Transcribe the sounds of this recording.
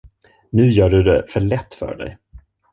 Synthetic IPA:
nʉ̟ːjœːɖɵd̪ɛfœɭɛt̪ːfœ̰ːɖɛ̰j

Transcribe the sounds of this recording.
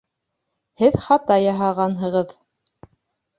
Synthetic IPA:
hɘðχɑt̪ɑjɑɦɑʁɑnɦɤ̆ʁɤð

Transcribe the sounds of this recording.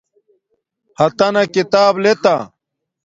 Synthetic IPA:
hɐt̪ɐnɐkit̪aːblet̪a

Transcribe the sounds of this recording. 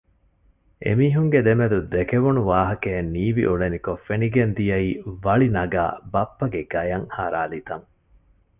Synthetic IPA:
ʔḛmiːɦuŋɡed̪emed̪ud̪ekeʋunuʋaːɦɐkeːnːiːʋḭʔuɭenikofeniɡend̪ijɐiːʋɐɭinɐɡa̰ːbɐpːɐɡeɡ̥ɐjɐŋhaɾaːlit̪ɐŋ

